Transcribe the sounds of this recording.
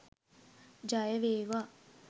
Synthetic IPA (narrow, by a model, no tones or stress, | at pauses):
d͡ʒajəʋeːʋa